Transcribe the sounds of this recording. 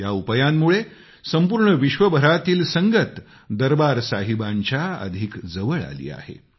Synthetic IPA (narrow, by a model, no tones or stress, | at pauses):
jaupəjamːuɭe | səmpuːɾɳəʋiɕʋəbʱəɾat̪iːlsəŋɡət̪ | d̪əɾbaɾsaɦibaɲt͡ɕjaə̰d̪ʱikd͡zəʋəɭa̰lḭːa̰hḛ